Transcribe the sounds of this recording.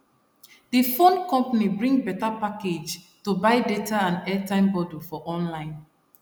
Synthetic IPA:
difõnkɔ̃mpanibɹĩŋbɛtapaked͡ʒ | tubaɪdetaãnɛtãɪ̃mbɔdufɔʔɔ̃nlãɪ̃n

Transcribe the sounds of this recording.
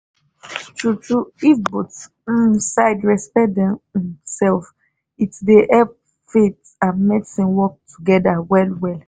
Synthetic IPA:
tʰɹutɹuifbɔt | saɪdɹɛspɛdɛ̃mĩmsɛlf | itdeʔɛp | fet | ãnmɛdsĩnwɔk̚tʰuɡɛdawɛlwɛl

